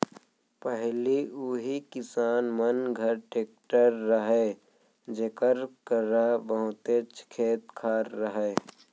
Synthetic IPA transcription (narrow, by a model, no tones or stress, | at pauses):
pəɦliuɦikɪsaːnmɐnɡʱəɾʈeːk̚ʈəɾːəɦeː | d͡ʒekəɾkəɾabəɦʊ̃t̪et͡ʃʰkʰeːt̪kʰaːɾːəɦeː